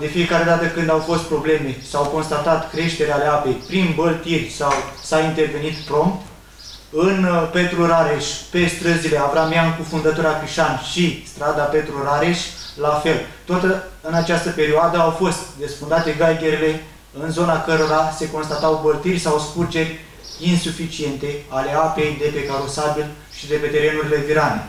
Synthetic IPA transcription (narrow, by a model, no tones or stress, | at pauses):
d̪e̞fie̞kaɾe̞d̪at̪əkɨnd̪awfo̞st̪pɾo̞ble̞me̞sawko̞nst̪at̪at̪kɾe̞ʃt̪e̞ɾealeape̞jpɾinbəlt̪irʲsawsaint̪e̞rve̞nit̪pɾo̞mpt̪ | ɨnpe̞t̪ɾuɾaɾe̞ʃʲpe̞st̪ɾəzileavɾamjankufund̪ət̪uɾakɾiʃanʃist̪ɾad̪ape̞t̪ɾuɾaɾe̞ʃʲlafe̞lt̪ot̪ɨnat͡ʃast̪əpe̞ɾioad̪əawfo̞st̪d̪esfund̪at̪e̞ɡajɡʲe̞ɾile̞ | ɨnzo̞nakəɾoɾase̞ko̞nst̪at̪awbərt̪irʲsawspurd͡ʒe̞rʲ | insufit͡ʃie̞nt̪e̞ale̞ape̞jd̪e̞pe̞kaɾo̞sabil | ʃid̪e̞pe̞t̪e̞ɾe̞nuɾile̞viɾanḛ